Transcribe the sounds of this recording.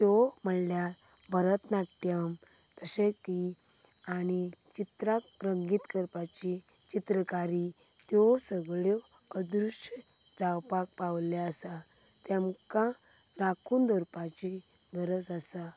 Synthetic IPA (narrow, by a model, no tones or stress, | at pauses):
t̪jɔm̤əɳlja | bʱəɾət̪naʈːjəm | t̪əsẽki | añit͡ɕit̪ɾakɾəŋɡiːt̪kəɾpat͡ɕi | t͡ɕit̪ɾəkaɾi | t̪jɔsəɡɭɔ | əd̪ɾuʂʈ | d͡zawpak̚pawlaəsa | t̪ɛ̃mkã | ɾakʰuːnd̪əɾpat͡ɕi | ɡəɾət͡sasa